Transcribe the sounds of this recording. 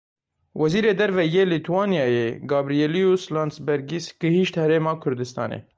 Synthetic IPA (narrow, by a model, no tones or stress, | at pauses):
wʔɛziːɾeːd̪ɛɾvɛjeːlit̪ʰuwɑːnijɑːjeːɡɑːbɾijeːlijuslɑːnsbɛɾɡisɡ̥ɨhiʃt̪hɛɾeːmɑːkʰʊɾd̪ɨst̪ɑ̰ːnḛ